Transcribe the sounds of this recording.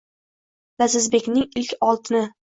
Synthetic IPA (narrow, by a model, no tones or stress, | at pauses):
lazɪzbe̞kʲnɪŋɪlkʲɒlˠt̪ʰɪnɪ